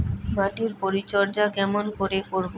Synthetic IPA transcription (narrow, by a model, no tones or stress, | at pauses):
baʈiɾpoɾit͡ɕɔɾd͡ʑaɡɛmonkoɾekoɾbo